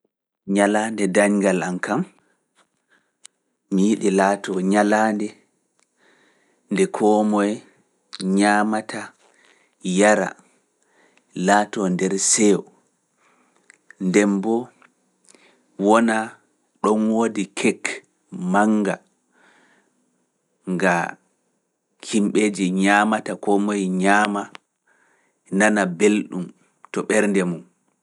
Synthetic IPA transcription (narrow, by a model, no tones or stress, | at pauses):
ɲalaːndɛdaɲɡalankam | mijiɗilatɔɲalaːndɛ | ndɛkʰɔːmɔj | ɲaːmatʰa | jaɾa̰ | laːtɔndɛɾsɛwɔ | ndɛmbɔ | wɔna | ɗɔnwoːdikʰɛk | maŋɡa̰ | ŋɡa | kʰimɓeːd͡ʒiɲamatakɔmojɲaːma | nanabelɗum | tɔɓɛɾndɛmum